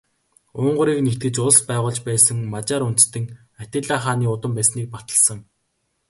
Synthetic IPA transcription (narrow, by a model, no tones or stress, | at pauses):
ʊːɴɢʊ̆ɾiːknet̪ɘ̆t͡ɕʊɮspæːʁʊːɮt͡ɕpæːsə̆ŋmat͡ɕaːɾun̥t͡st̪ɘ̆ŋ | at̪ʲɪ̆ɮaːχaːniːʊt̪ə̆mpæːsniːk̚pḁt̪ə̆ɮsə̆ŋ